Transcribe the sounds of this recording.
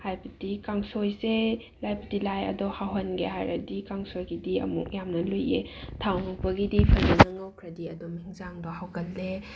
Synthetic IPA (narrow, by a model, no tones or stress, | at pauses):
hajbɐdikaŋsojse | lajbɐdilajɐ̰dɔhawɦɐnɡeɦa̰jɾɐ̰dikaŋsojɡidiɐ̰mṵk̚jamnɐlojetʰawnupɐɡidipʰɐjnɐnɐŋawkʰɾɐdiɐdɔmiŋzaŋdɔhawkɐtːe